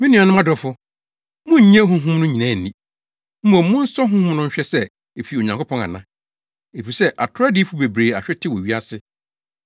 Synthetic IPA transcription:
mĩ˦nĩ˨a˨nʊ̃˦m˦ã˦dɔ˨˦fʊ˦ | mʊ̃˦ɲ̩˨ɲã˦ɦũ˦ɦũ˦mnʊ̃˦ɲĩ˨nã˦˨n̩˨nĩ˦ | m̩˦mɔ̃˨m˦mʊ̃˦n̩˦sɔ˦ɦʊ̃ũ˦hũ˦mnʊ̃˦m̩˦ɕᶣɛ˦sɛ˦ | e˨fi˨o˨ɲã˨ŋkʰo˦pʰɔ̃˦na̰˨nã˨˦ | e˨fi˨sɛ˦ʔa˨tʰʊ˦ɾa˦dɪ˦fu˦be˨bɾeː˨a˨ɕᶣɛ˦tʰɪ˦wɔ˨ɥi˦a˦sɪ˦

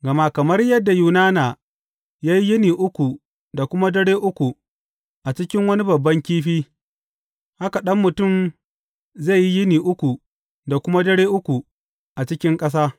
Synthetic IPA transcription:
ɡɐ˨ma˦kɐ˨mɐ˦rjɐ˦dːa˨juː˨naː˦naː˨ | jaː˦ji˦jɪ˦niː˨ʔʊ˦kʷu˨ | da˨kʷʊ˦ma˦dɐ˦ɽeː˦ʔʊ˦kʷu˨ | ʔa˨t͡ʃɪ˦kʲɪ˦ŋwɐ˦ni˦bɐ˨bːɐ˦ŋkʲiː˦ɸiː˦ | ha˦ka˨ɗɐ˦mːʊ˨tʊ˦˨m | ze˦˨ji˦jɪ˦niː˨ʔʊ˦kʷu˨ | da˨kʷʊ˦ma˦dɐ˦ɽeː˦ʔʊ˦kʷu˨ | ʔa˨t͡ʃɪ˦kʲɪ˦ŋkʼɐ˦s̬aː˦

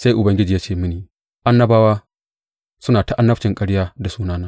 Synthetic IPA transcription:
sa˦jʔʊ˨bɐ˦ŋɡʲɪ˦d͡ʒiː˨jaː˦t͡ʃeː˦˨mɪ˦niː˨ | ʔa˦nːɐ˦baː˦waː˦ | sʊ˦naː˨ta˦ʔa˦nːɐ˦t͡ʃɪ˨ŋkʼɐ˦ɽjaː˦da˨suː˦naː˦naː˦

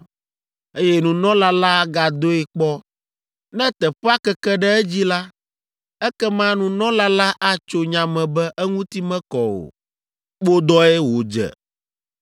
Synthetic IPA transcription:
e˦jɛ˦nũ˨nɔ̃˦la˦la˦ɡa˨d̪o˦ɛ˨k͡pɔ˦ | nɛ̃˦t̪ɛ˨ɸɛ˦a˦kɛ˦kɛ˦ɖɛ˦ɛ˦d͡ʑi˦la˦ | ɛ˦kɛ˦mã˦nũ˨nɔ̃˦la˦la˦ʔa˦t͡ʃo˦ɲã˨mɛ̃˨bɛ˦ʔɛ˦ŋũ˦t̪i˦mɛ̃˦kɔ˨o̰˨ | k͡po˦d̪ɔ˦ɛ˦wo˨d͡ʒɛ̰˨

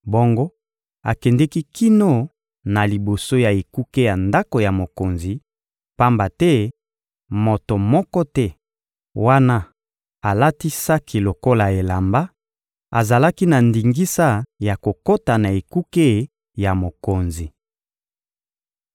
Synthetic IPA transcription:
bo˦ŋɡo˦ | a̰˨kɛ˨ndɛ˦ki˦ki˦no˦˨ | na˨li˨bo˨so˦ja˨e˨ku˦ke˦ja˨nda˦ko˨ja˨mo˨ko˨nzi˨ | pa˦mba˨tɛ˦ | mo˨to˨mɔ˦kɔ˦tɛ˦ | wa˦na˦ | a˨la˦ti˦sa˦ki˨lo˨ko˦la˨e˨la˨mba˦ | a̰˨za˨la˦ki˦na˨ndi˨ŋɡi˦sa˦ja˨ko˨ko˦ta˨na˨e˨ku˦ke˦ | ja˨mo˨ko˨nzi˨

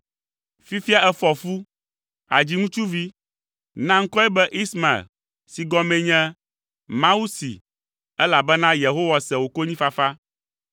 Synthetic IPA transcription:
fi˦fi˦a˨ʔɛ˦fɔ˨fu˦ | a̰˨d͡ʑi˦ŋũ˦t͡ʃu˦vi˦ | nã˦ŋ̩˦kɔ˦ɛ˦bɛ˦ʔi˦sma˨ḛ˨l | si˨ɡɔ˦mɛ̃˦ɲɛ̃˦ | mã˦u˦sḭ˨ | ɛ˦la˨bɛ˦nã˦je˨ɦo˦wa˨sɛ˨wo˨ko˦ɲĩ˦fa˨fa˦

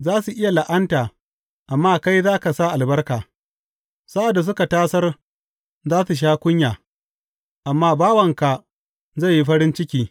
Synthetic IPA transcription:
zaː˦su˨ʔɪ˦ja˨la˨ʔɐ˦ntaː˨ | ʔa˨mːaː˦ka˦jzaː˦ka˨sa˦˨ʔa˨lbɐ˦rkaː˨ | sa˦ʔa˨dːa˨s̬ʊ˦ka˨taː˦sɐ˦r | zaː˦su˨ʃ̬aː˦kʷʊ˦ɲjaː˨ | ʔa˨mːaː˦baː˦wɐ˨ŋka˨ | za˦˨jːi˦ɸɐ˦ɽɪ˦nt͡ʃɪ˦kʲiː˨

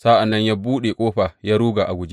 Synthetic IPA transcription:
sa˦ʔa˨nːɐ˦ɲja˦buː˦ɗeː˨kʷʼoː˦ɸa˨ja˦ɾuː˦ɡa˨ʔa˨ɡʷʊ˦d͡ʒi˦

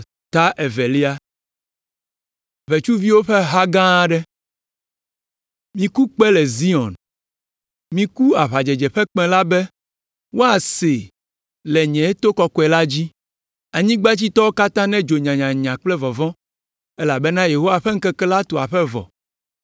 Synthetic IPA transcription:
t̪a˦ʔɛ˨vɛ˨li˦a˦ | βe˨t͡ʃu˦vi˦wo˦ɸe˦ɦa˦ɡã˦ɖɛ˦ | mĩ˦ku˦k͡pɛ˦lɛ˨zi˦ɔ̰̃˨n | mĩ˦ku˦a˨βa˨d͡ʒɛ˨d͡ʒɛ˨ɸɛ˦k͡pɛ̃˨la˦bɛ˦ | wo˦a˨se˨ | lɛ˨ɲɛ̃˨e˦t̪o˦kɔ˨kɔ˨˦ɛ˨la˦d͡ʑi˦ | a˨ɲĩ˦ɡ͡ba˦t͡ɕi˦t̪ɔ˦wo˦ka˦t̪ã˦nɛ̃˦d͡ʒo˨ɲã˨ɲã˨ɲã˨k͡plɛ˦vɔ˨vɔ̃˦ | ɛ˦la˨bɛ˦nã˦je˨ɦo˦wa˦ɸɛ˦ŋ̩˦kɛ˦kɛ˦la˦t̪o˨a˨ɸɛ˦vɔ̰˨

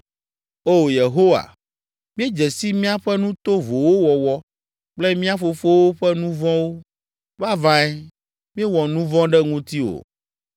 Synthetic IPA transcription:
o˦˨je˨ɦo˦wa̰˨ | mĩ˦e˦d͡ʒɛ˨si˦mĩ˦a˦ɸɛ˦nũ˦t̪o˦vo˨wo˦wɔ˨wɔ˦ | k͡plɛ˦mĩ˦a˦fo˨fo˦wo˦ɸɛ˦nũ˦vɔ̃˦wo˦ | va˦vã˦ɛ˦ | mĩ˦e˦wɔ˨nũ˦vɔ̃˦ɖɛ˦ŋũ˦t̪i˦wo̰˨

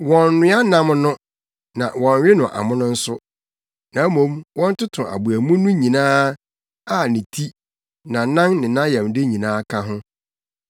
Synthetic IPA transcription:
wɔ̃˨nnɪ̃˦a˦nã˦mnʊ̃˦ | nã˨wɔ̃˨nɥɪ˦nʊ̃˨ʔa̰˨mʊ̃˦nʊ̃˦n̩˦sʊ˦ | nã˨˦mõ˨˦mwɔ̃˦n̩˦tʊ˦tʰʊ̃˨ʔa̰˨bu˨æ˨mũ˦nʊ̃˦ɲĩ˨nãː˦ | a˦˨nɪ̃˨tʰi˦ | nã˨nã˦ŋnɪ̃˨nã˦jɛ̃˨mdɪ˦ɲĩ˨nãː˦kʰa˦ɦʊ̃˦

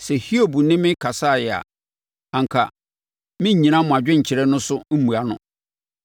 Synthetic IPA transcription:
sɛ˨hi˦o˨bu˨nɪ̃˦mɪ̃˦kʰa˨sa˦˨jɛ˨a̰˨ | ã˨ŋ̩˨kʰa˨ | mɪ̃˦˨ɲĩ˨nã˦mʊ̃˨a˨d͡ʑᶣɪ̃˦ɲ̩˨t͡ɕʰɪ˨ɾɛ˦nʊ̃˦sʊ˦m̩˦mũ˨a˦nʊ̰̃˨

